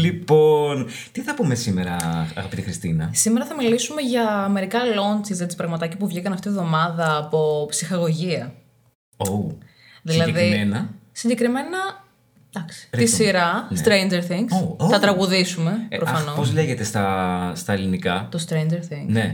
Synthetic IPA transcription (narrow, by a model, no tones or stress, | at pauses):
lipon | t̪iθɐpume̞sime̞ɾɐɐɣɐpit̪ixɾist̪ḭnɐsimeɾɐθɐmilisume̞ʝɐːme̞ɾikɐlo̞nsizet̪ispɾɐɣmɐt̪ɐcipuvʝikɐnɐft̪ivðo̞mɐðɐːpo̞psixɐɣo̞ʝiɐ | o | ðilɐðɾimenɐsiɲɟe̞kɾime̞nɐ | d̪̥ɐksi̥ɾisiɾɐst̪ɾejnd͡ʒeɾθiŋɡsoθɐt̪ɾɐɣuðisume̞pɾofɐnopozle̞ʝe̞t̪e̞st̪ɐst̪ɐelinikɐt̪ost̪ɾejnd͡ʒeɾθiŋɡne